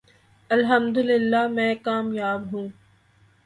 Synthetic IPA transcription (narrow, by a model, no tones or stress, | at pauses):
ɐlɦəmd̪ʊlɪlːaːmɛ̃ːkaːmjaːbɦũː